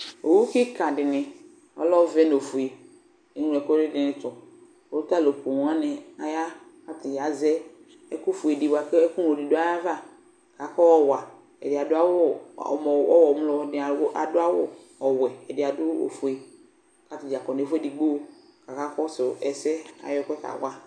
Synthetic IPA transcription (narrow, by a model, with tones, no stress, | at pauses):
o̰˨wu˦kɪ˦ka˨dɪ˨nɪ˨ | ɔ̰˦lɔ˦vɛ˦n˨o˨fu˨e˨ | e˨nũ˦ɛ˨kɔ˦dɪ˦dɪ˨nɪ˨tɔ˨ | o˦ʊ˦ta˦˨lo˨ko˨nũ˨˦a˦nɪ˨a˨ja˦ka˦tɪ˨d͡ʒa˨zɛ˦ | ɛ˦kʊ˦fu˨e˨di˨bwa˨kku˦n˨o˨di˨dʊ˦a˦ja˦va˦˨ | ka˨kɔ˦ɔ˦wa˨ | ɛ̰˨dɪ˨a˨dʊ˦a˦wʊ˦ɔ̰˨mɔ˨ɔ̰˦wɔ˨m˦lɔ˨˦˨dɪ˨˦a˨˦ʔa̰˨dʊ˦a˦wʊ˦ | ɔ˨wɛ˨ɛ˨dɪ˨a˨dʊ˦o̰˨fu˨e˨ | ka˦tɪ˨d͡ʒa˨kɔ˨ne˨fu˦ɛ˦di˨ɡ͡bo˦ | ka˨ka˦kɔ˦sʊ˨ɛ˨sɛ˦a̰˨jɔ˦kʷɛ˦ka̰˨wʷa˦